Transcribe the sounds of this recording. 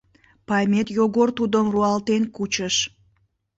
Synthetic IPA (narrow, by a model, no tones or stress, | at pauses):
pɑjmʲet̪joɣort̪ud̪əmruɑlt̪enkut͡ɕəʃ